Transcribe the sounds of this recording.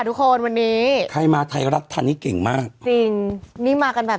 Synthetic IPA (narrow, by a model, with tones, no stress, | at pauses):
t̪u˦˥kʰːo˧nwa˧nːiː˦˥kʰa˧˩jmaː˧t̪ʰa˧jɾa˦˥p̚t̪ʰaː˧ntʰiː˥˩ke˨˩ŋmaː˥˩k̚t͡ɕi˧ŋniː˦˥maː˧ka˧nbɛː˨˩